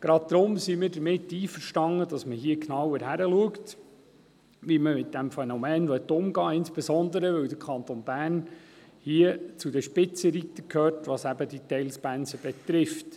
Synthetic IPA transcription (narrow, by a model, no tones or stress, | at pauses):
ɡ̥ɾɑt̚d̪ɾʊmsimiːɾdəɾmɪtːiːfəɾʃtɑŋːəd̥ɑsməɦiəknɑwəɾɦæɾəluəkt | ʋiməmɪt̚d̥æmfɛnɔmɛːnʋœt̪ːʊmɡɑːɪnsb̥ɛsɔnd̪əɾəʋɵwd̪əɾkʰɑnt̪onbæːrn | hiət͡sudəʃpɪt͡səɾit̪ːəkʰhøːrtʋɑsæbədit̪ɛɪlspænsəb̥ɛt̪ɾɪft